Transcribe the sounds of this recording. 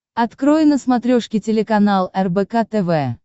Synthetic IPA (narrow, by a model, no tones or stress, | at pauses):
ɐt̪kɾojɪnəsmɐt̪ɾʲoʂkʲɪtʲɪlʲɪkɐnalˠɛrbɛkat̪ɛvɛ